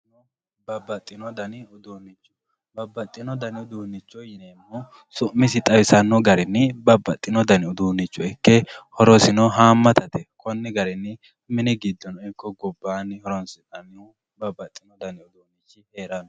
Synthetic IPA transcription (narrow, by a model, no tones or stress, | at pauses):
nɔ | bɐbːɐt̪ʼːɪnɔd̪ɐnɪʊd̪uːnːɪt͡ʃːʊ̥ | bɐbːɐt̪ʼːɪnɔd̪ɐnɪʊd̪uːnːɪt͡ʃːɔjɪneːmːɔ | sʊʔmːɪsɪt̪ʼɐwɪsɐnːɔɡɐɾɛnːɪbɐbːɐt̪ʼːɪnɔd̪ɐnɪʊd̪uːnːɪt͡ʃːʊɛkːɛhɔɾɔsɪnɔɦaːmːɐt̪ɐt̪ɛkʰɔnːɪɡɐɾɛnːɪ | mɪnɪɡɪd̪ːɔnɔɛkːɔɡɔbːaːnhɔɾɔnsɪt̪ɐnːɔ | bɐbːɐt̪ʼːɪnɔd̪ɐnɪʊd̪uːnɪt͡ʃːɪhe̞ːɾɐnɔ